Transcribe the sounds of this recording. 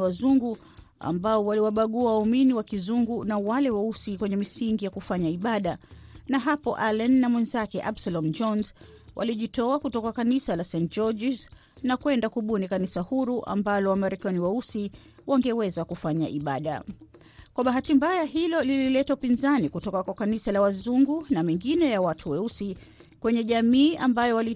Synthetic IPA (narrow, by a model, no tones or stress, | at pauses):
wazuŋɡu | a̰mbaɔwaliwaɓaɠuawauminiwakizuŋɡunawalɛwausikwɛɲɛmisiŋɡijakufaɲaiɓaɗanaɦapɔʔalɛnːamwɛnzakɛʔabsalɔm̩d͡ʒɔnzwʔa̰liʄitɔakutɔkakanisalasɛ̃ntt͡ʃɔʄiz | nakwɛndakuɓunikanisahuɾuʔa̰mbalɔwamaɾɛkaniwɛusi | waŋɡɛwɛzakufaɲa̰ʔiɓaɗa̰ | kwaɓaɦatimbajaɦilɔlililɛtaupinzanikutɔkakwakanisalawazuŋɡunamɛŋɡinɛjawatʰuwɛusi | kwɛɲɛʄamiːambajɔwali